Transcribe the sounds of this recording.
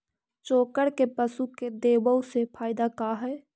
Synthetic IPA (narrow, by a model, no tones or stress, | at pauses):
t͡ʃoːkəɽkepəsuked̪eːwəosepʰaːɪd̪akaːɦɛː